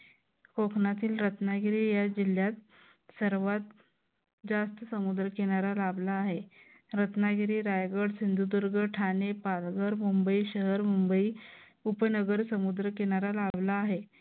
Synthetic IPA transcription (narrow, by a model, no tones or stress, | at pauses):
kokʰnat̪iːlɾət̪naɡiɾiːjad͡ʑil̤jat̪ | səɾʋat̪̚ | d͡zast̪əsəmud̪ɾəkeɽ̃aɾalablaːɦe | ɾət̪naɡiɾiːɾajɡəɽsind̪ʱud̪uɾɡəʈʰanepalɡəɾmumbəiɕəɦəɾmumbəiː | upənəɡəɾsəmud̪ɾəkeɽ̃aɾalablaːɦe